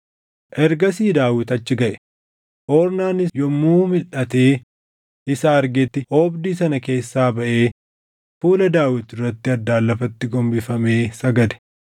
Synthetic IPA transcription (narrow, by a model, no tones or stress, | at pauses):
ʔɛɾɡɐsiːd̪aːwɪt̪ɐt͡ʃːɪɡɐʔɛ̥ | ʔɔːɾnaːnɪjɔmːuːmɪlʔɐt̪e̞ː | ɪsaɐɾɡet̪ːɪhoːbd̪iːsɐnɐke̞ːsːaːbɐʔe̞ː | fuːlɐd̪aːwɪt̪ɪrːɐt̪ːɪɐd̪ːaːlːɐfɐt̪ːɪɡɔmbɪfɐme̞ːsɐɡɐd̪ɛ̥